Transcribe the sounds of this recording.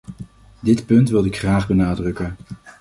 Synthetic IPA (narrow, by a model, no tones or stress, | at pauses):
dɪtpɵntʋɪlˠɪkχraːχbənaːdrɵkən